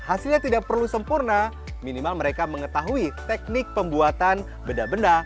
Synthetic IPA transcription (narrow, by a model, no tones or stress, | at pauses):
hasilɲat̪idak̚pərlusəmpurna | minimalməɾekaməŋət̪aɦuit̪ɛk̚nɪk̚pəmbuat̪an | bəndabənda